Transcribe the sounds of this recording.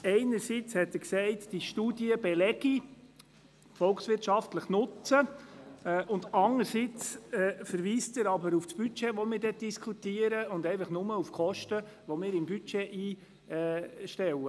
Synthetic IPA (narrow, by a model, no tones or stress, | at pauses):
ɛɪnəɾsit͡shɛtːəksɛɪtd̥iʃtuːdiəbɛlɛɡ̥i | fɔlksʋɪɾtʃɑftləχnʊt͡sə | ʔʊndɑnəɾsit͡sɛfəɾʋiːstɪɾɑbəɾufsb̥yt͡ʃɛʋɔmɪːɾdɛt̚d̥iskʰutiːəɾəʊndɛɪfəχnʊməufkʰɔʃtə | ʋɔmɪːɾɪmbyt͡ʃɛʔiː | ʃtɛwə